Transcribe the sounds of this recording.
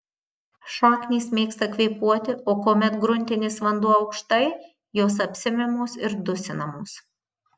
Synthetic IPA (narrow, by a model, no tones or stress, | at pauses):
ʃoːkʲnʲiːsmʲeːkst̪ɐkʋʲɛɪpuɔt̪ʲɪoːkoːmʲɛt̪ɡɾʊnʲˑt̪ʲɪnʲeːsʋɐnd̪uɔɒʊkʃt̪ɐɪ | joːs̬ɐpʲsʲɪmʲɛmoːsɪɾd̪ʊsʲɪnɐmoːs